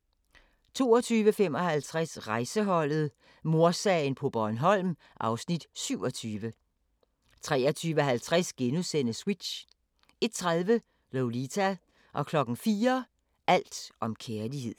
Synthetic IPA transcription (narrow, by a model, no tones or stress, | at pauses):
t͡sʰo̝ːɒt͡sʰyːʋəfem̰ɒ̽hælt͡sʰʁasʁɑ̈ɪsəɦɒ̽l̰ð̩ˠ | mo̝ɐsɛɪnpʰɒ̽b̥ɒnɦɒ̽l̰m | ʔɑ̈ʊsnid̥syʊ̰ɒ̽t͡sʰyːʋə | t͡sʰʁɛ̰ːɐt͡sʰyːʋəɦælt͡sʰʁasɡ̥enusen̰əswid̥ɕ | e̝d̥̚t͡sʰʁaðˠʋə | leʊlit͡sʰæ | ʔɒ̽kʰlɒ̽ɡ̥n̩fiːɐ | ʔæl̰d̥ʔɒ̽mkʰeɐlihe̝ð̰ˠ